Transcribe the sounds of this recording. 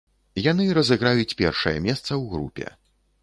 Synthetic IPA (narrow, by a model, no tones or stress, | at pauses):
jan̪ɨɾɐzɨɣɾajut͡sʲpʲɛ̰rʂɐjɐ̰mʲɛst̪sɐwɣɾṵpʲɛ̰